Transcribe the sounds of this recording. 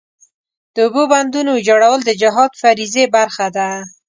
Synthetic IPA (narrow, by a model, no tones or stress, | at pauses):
d̪̥əʊboband̪unod͡ʒaɽawəld̪əd͡ʒɪɦɑd̪faɾizebaɾxad̪a